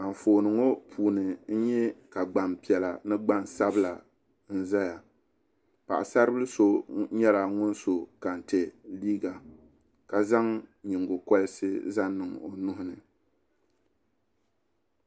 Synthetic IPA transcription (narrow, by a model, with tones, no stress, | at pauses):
a˨ɱ˨foː˨nɨ˨ŋo˦pʰuː˨nɨ˨n̩˦ɲɛ˦ka˨ɡ͡ba˨mpi˨ɛ˨la˨nɨ˦ɡ͡ba˦nsa˦bɨ˦la˨ | n̩˦za˦ja˨ | pa̰˨ʔa˨sa˦ɾɨ˦bɨ˦lɨ˦so˦ɲɛ˦la˨ŋʊ˦n˦so˨ka˨n̩˨te˨liː˦ɡa˨ | ka˨za˦ŋɲɪ˨ŋɡo˨kɔ˦lɨ˦sɨ˦za˦nːɨ˨ŋo˨nʊ˦hʊ˦nɨ˨